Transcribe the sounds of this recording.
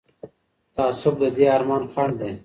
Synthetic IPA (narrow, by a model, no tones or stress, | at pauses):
t̪aːsob̚d̪ed̪iaːɾmaːnkʰaɳd̪e